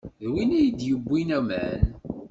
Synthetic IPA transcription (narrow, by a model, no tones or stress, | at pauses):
ðwinæjid̪jəbːinæmæ̰n